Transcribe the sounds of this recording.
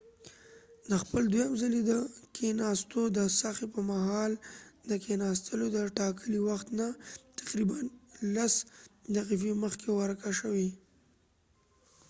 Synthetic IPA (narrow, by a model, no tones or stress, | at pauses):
d̪əxpəld̪wujamzalid̪əkʰenɑst̪od̪əsaxepəmaɦɑld̪əkenɑst̪ʰəlod̪əʈɑkʰəliwaxt̪nat̪ḁqɾibanlaszaqifeməxkʰewaɾkaʃəwi